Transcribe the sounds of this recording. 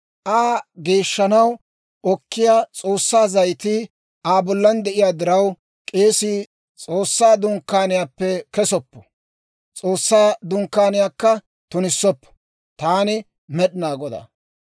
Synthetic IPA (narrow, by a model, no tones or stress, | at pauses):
ʔaːɡe̞ːʃːɐnɐw | ɔkːɪjaːt͡sʼo̞ːsːaːzɐjt̪ɪ | aːbɔlːɐnd̪ɛʔɪjaːd̪ɪɾɐw | kʼe̞ːsi | t͡sʼoːsːaːd̪ʊŋkːaːnɪjaːpːɛkɛsɔpːɔ̥ | t͡sʼoːsːaːd̪ʊŋkːaːnɪjaːkːɐ | t̪ʊnɪsːɔpːɔ̥ | t̪aːnɪ | mɛɗɪnaːɡɔd̪ɐ̰